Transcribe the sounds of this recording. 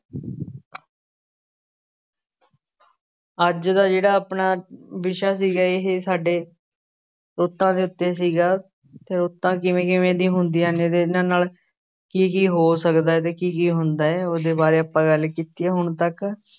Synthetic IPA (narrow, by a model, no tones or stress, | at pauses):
əd͡ʒd̪aːd͡ʒeːɽaːəpnaːbɪʃaːs̬iːɡaːɪɦeːsaːɖeː | ɾoːt̪ːãːd̪eːʊt̪ːeːs̬iːɡaː | t̪eːɾoːt̪ːãːkɪʋẽːkɪʋẽːd̪iːɦʊnd̪iːãːneːd̪eːɪnãːnaːl | kiːkiːɦoːsəkd̪aːɛːt̪̬eːkiːkiːɦʊnd̪aːɛːoːd̪eːbaːɾeːəpːãːɡəlkiːt̪iːɛːɦʊɳt̪ək